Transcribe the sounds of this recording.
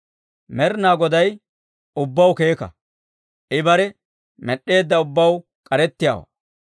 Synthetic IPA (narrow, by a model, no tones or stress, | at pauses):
mɛɾnaːɡɔd̪ɐj | ʊbːɐwke̞ːkɐ̰ | ʔɪbɐɾɛ | mɛɗːe̞ːd̪ːɐʊbːɐw | kʼɐɾɛt̪ːɪja̰ːwɐ̰